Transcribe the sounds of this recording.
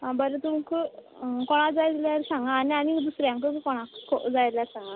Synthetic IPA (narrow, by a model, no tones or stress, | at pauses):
ɦãbəɾət̪umkə | kɔɽ̃ãd͡zajɾljaɾsãŋɡaːnianid̪usɾjãŋkəkkɔɽ̃ãkʰo̰d͡zajljaɾsãŋɡa